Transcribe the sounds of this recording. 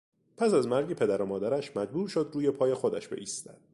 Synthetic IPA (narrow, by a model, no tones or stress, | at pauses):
pʰæsæzmæɾɡe̞pʰe̞d̪æɾomɒːd̪æɾæʃmæd͡ʒbuːɾʃo̞d̪ɾuːje̞pʰɒːje̞xod̪æʃbe̞ʔiːst̪æ̰d̪̥̚